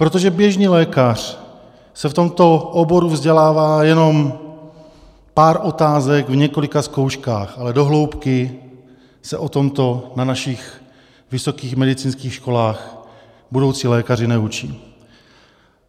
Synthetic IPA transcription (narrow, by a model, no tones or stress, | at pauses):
pɾot̪oʒɛbjɛʒniːlɛːkar̥ | sɛft̪o̞mt̪o̞ʔobo̞ɾuvzɟɛlaːvaːjɛno̞m | paːɾʔo̞t̪aːzɛɡvɲɛko̞lɪkaskowʃkaːxʔalɛdo̞ɦlowpkɪ | sɛʔo̞t̪o̞mt̪o̞nanaʃɪx | vɪso̞kiːxmɛdɪt͡siːnskiːxʃko̞laːx | budo̞wt͡siːlɛːkar̝ɪnɛut͡ʃiː